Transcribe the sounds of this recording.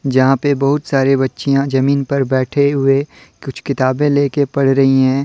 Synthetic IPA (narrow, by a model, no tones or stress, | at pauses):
d͡ʒɐɦãpebɐɦʊt̪saːɾebɐtːʃijãd͡ʒɐmiːnpɐɾbɛːʈʰeɦʊekʊt͡ʃʰkɪt̪aːbẽleːkepɐɽɾɐɦiɦɛ̃ː